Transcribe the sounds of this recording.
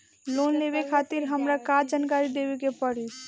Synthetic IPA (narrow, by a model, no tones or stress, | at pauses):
lonlebekʰat̪iɾɦəmɾakad͡ʒankaɾid̪ebekepəɽis